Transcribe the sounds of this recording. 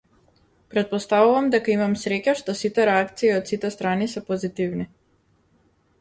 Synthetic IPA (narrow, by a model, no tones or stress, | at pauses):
pɾɛt̪̚pɔst̪avuvamd̪ɛkaimamsɾɛcaʃt̪ɔsit̪ɛɾɛakt̪siːɔt̪sit̪ɛst̪ɾanisɛpɔzit̪ivni